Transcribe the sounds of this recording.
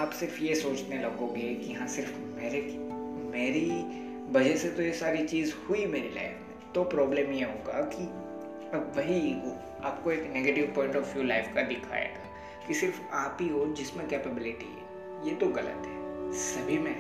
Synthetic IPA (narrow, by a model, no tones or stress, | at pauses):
aːpsɪɾfjesoːt͡ʃnelɐɡoɡeekijɐɦãsɪɾf | meːɾekmeːɾi | ʋɐd͡ʒɛset̪ojesaːɾit͡ʃiːzhuimeːɾila̰ːɪfmẽt̪opɾɔːblẽːmjeɦoːɡaki | ɐbʋɐɦio | aːp̚koeːkneːɡeːʈɪʋpɔ̃ːɪ̃ɳʈɔfjuːlaːɪfkad̪ɪkʰa̰ːḛːɡaː | kisɪɾfaːpiɦod͡ʒɪsmẽkeːpɛbɪlɪʈḭɦɛ̰ː | jeːt̪oɣɐlə̰t̪ɦɛːsɐbʱimẽ